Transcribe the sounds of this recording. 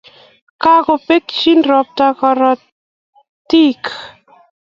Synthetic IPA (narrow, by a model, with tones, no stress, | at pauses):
ka˦ko˨pe˦kt͡ʃi˦nɾɔ˨p̚t̪a˦kɔ˨ɾɔ˨ | ti˦k